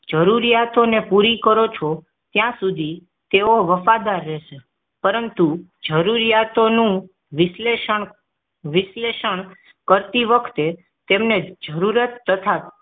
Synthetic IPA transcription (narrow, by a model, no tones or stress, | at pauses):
d͡ʒəɾuɾijat̪onepuɾikəɾot͡ʃʰo | t̪jãsud̪ʱi | t̪eoʋəfad̪aɾːeʃe | pəɾənt̪ud͡ʒəɾuɾijat̪onũ | ʋɪsleʃəɳ | ʋɪsleʃəɳ | kəɾt̪iʋəkʰt̪e | t̪emned͡ʒəɾuɾət̪ːət̪ʰa